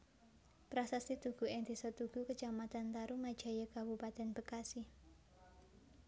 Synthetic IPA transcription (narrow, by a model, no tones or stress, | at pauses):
pɾasasit̪uɡ̥ṳɛnd̪isɔt̪uɡ̥ukət͡ʃamat̪ant̪aɾumad̥d͡ʒ̥a̤jəkabupat̪ɛnb̥əkasi